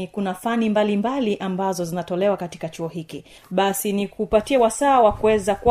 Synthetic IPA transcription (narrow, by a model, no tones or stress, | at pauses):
kunafanimbalimbaliʔambazɔzinatɔlɛwakati̥kat͡ʃuɔhikḭ | ɓasinikupatiawasaːwakuɛzak